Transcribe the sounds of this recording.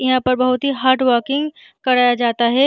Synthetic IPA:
ɪɦãpɐɾbɐɦʊt̪ɦiɦaːɾʈʋəɾkɪ̃ŋɡ | kɐɾaːjad͡ʒaːt̪aɦɛː

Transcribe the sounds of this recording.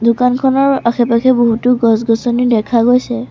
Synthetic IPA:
dʱʊkankʰɔnɔɹaxʰɛpakʰɛboɦutʊɡɔsɡɔsɔnidɛkʰaɡojsɛ

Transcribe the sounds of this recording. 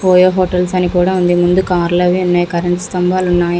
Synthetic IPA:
poːjoːɦoːʈːɐlsɐnikuːɽɐ̃ʋɐnd̪imʊnd̪ɯkaːɾlɐʋiʊnːɐːjkɐɾɐɳʈst̪ɐmbaːlʊnːaːj

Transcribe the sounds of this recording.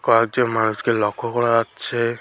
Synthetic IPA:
kɔak̚d͡ʒemanuskelɔkʰɔkɔɽaːt͡ʃʰe

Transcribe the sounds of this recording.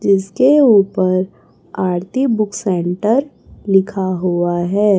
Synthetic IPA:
d͡ʒɪskeuːpəɾ | aːɾt̪ibʊksɛ̃ːɳʈəɾ | lɪkʰaɦuaɦɛː

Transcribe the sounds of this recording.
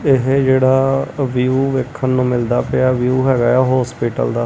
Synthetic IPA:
ɪɦd͡ʒeːɽaːʋijuːʋeːkʰːənnũːmɪld̪aːpeaːʋjuːɦɛːɡaːɛːɦɔːspiːʈə̰ld̪aː

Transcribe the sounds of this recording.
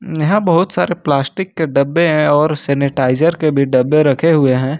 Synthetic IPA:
jɐɦãbɐɦʊt̪saːɾeplaːsʈɪkːeɖɐbːeɦɛ̃ɔːɾsɛːnɪʈaːɪzəɾkebʱiɖɐbːeɾɐkʰeɦʊeɦɛ̃ː

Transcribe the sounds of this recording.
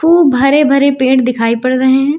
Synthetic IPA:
puːbʱɐɾebʱɐɾepẽːʈd̪ɪkʰaːipɐɽɾeɦɛ̃ː

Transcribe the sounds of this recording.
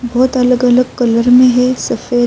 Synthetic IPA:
bɔːt̪ɐləɡɐləɡ̚kɐləɾmẽɦɛsɐfeː

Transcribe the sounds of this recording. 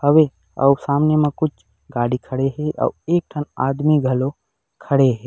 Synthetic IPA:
həʋe | ɐ̰usaːmnemẽkʊt͡ʃʰ | ɡaːɽikʰəɽeɦɛʔɔ̰ːeːk̚ʈʰəna̰ːd̪miɡʱɐlo | kʰɐɽeɦɛː

